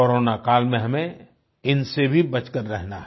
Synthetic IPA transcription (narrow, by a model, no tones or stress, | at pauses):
oɾoːnakaːlmẽɦɐmẽ | ɪnsebʱibɐt͡ʃkəɾːɛɦnaɦ